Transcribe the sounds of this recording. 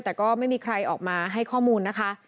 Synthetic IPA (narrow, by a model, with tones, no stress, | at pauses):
t̪ɛː˨˩kɔː˥˩ma˥˩jmiː˧kʰɾa˧jʔɔː˨˩k̚maː˧ɦa˥˩jkʰɔː˥˩muː˧nːa˦˥kʰa˦˥ʔ